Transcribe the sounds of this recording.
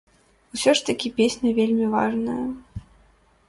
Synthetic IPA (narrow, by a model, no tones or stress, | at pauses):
usʲɔʂt̪ɐkʲipʲesʲnʲɐvʲelʲmʲiva̰ʐnɐjɐ